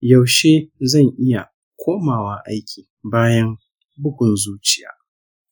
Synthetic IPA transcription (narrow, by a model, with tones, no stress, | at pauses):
ja˨wʃeː˦zɐ˦˨ŋʔɪ˦ja˨ | kʷʰoː˦maː˨waː˦ʔa˦jkʲʰiː˨ | baː˦jɐ˦m | bʊ˦ɡʷʊ˨nzuː˦t͡ʃɪ˦˨ja̰ː˨